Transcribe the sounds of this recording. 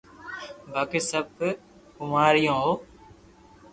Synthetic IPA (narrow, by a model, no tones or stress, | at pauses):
bʱaːkiːsəb̚ | kʊmaːɾɪjõːɦoː